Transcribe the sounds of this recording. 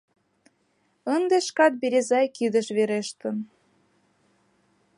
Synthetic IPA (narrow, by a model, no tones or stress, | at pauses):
ənd̪eʃkɑt̪̚beɾʲezɑjkid̪əʃβeɾeʃt̪ən